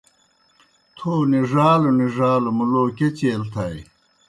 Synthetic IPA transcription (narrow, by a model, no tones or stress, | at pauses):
t̪ʰoːniʐaːluniʐaːlumuloːket͡ɕeːlt̪ʰɐj